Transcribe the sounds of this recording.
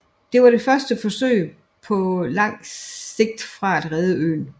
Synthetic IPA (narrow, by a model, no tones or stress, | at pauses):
d̥e̝ʋɑ̈ɾe̝fɶɐsd̥əfɒ̽sø̰ɪ̰ | pʰɒ̽lɑ̈ŋ̰se̝ɡ̥̚d̥fʁɑ̈æd̥ʁɛːð̞ˠəø̰ːn